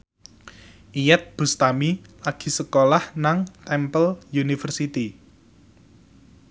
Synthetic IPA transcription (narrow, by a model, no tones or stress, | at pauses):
ʔijɛt̪̚b̥ṳst̪amilaɡ̥i̤səkolahnaŋt̪ɛmpəlunifərsit̪i